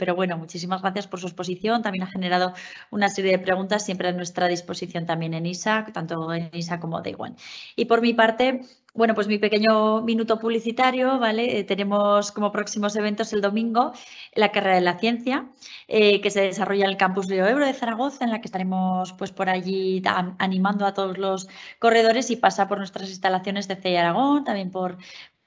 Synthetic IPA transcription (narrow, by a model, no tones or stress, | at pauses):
pe̞ɾo̞βwe̞no̞mut͡ʃis̬imazɣɾaθjaspo̞ɾs̬uespo̞s̬iθjo̞nt̪ambje̞naxe̞ne̞ɾað̞o̞unase̞ɾje̞ðe̞pɾe̞ɣ̞unt̪asːje̞mpɾeðenwe̞st̪ɾaðispo̞siθjo̞nt̪amje̞ne̞nisakt̪ant̪oenis̬akːo̞mo̞̰ðḛɣwa̰nipo̞ɾmipaɾt̪e̞ | bwe̞no̞pwe̞zmipe̞ke̞ɲo̞mĩnut̪o̞puβliθit̪aɾjo̞βale̞t̪e̞ne̞mo̞sko̞mo̞pɾo̞ksimo̞se̞βe̞nt̪o̞se̞ld̪o̞mĩŋɡo̞ | lakareɾaðelaθjẽ̞n̟θja | eke̞se̞ðesaro̞ʝaenelkampuzleoe̞βɾoðe̞θaɾaɣ̞o̞θae̞nlakest̪aɾe̞mo̞spwe̞spo̞ɾaʝiaanĩmãnd̪oat̪o̞ð̞o̞zlo̞sko̞re̞ð̞o̞ɾe̞sipasapo̞ɾnwe̞st̪ɾasinst̪alaθjo̞ne̞zðe̞θe̞jaɾaɣ̞o̞nt̪amje̞mpo̞ɾ